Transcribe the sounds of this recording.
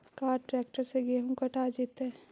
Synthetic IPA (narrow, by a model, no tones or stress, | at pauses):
kaːɾʈɾɛːk̚ʈəɾseɡeɦũkɐʈaːd͡ʒit̪ɛ